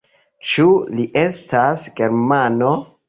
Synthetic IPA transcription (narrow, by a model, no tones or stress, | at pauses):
t͡ʃuliʔe̞stasɡe̞ɾmano̞